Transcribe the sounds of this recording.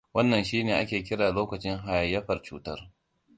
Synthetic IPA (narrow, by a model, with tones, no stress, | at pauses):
wɐ˦nːɐ˨nʃiː˦neː˨ʔa˦kʲeː˨kʲɪ˦ɽaː˨loː˦kɐ˨t͡ʃɪ˦ŋɦa˨jjɐ˦ɸɐ˨rt͡ʃuː˦tɐ˦r